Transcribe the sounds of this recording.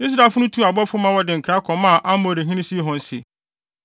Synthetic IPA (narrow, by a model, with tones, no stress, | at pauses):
i˦s̬ɾa˨fʊ˦nʊ̃˦tʰu˦˨a˨bɔ˦fʊ˦mã˦wɔ˦dɪ˨ŋ̩˨kʰɾa˦kʰɔ̃˨mã˦˨ʔa˦mo˨ɾi˨ɦĩ˦nĩ˦si˦e˦ɦʊ̃˨n̩˦sɪ̰˨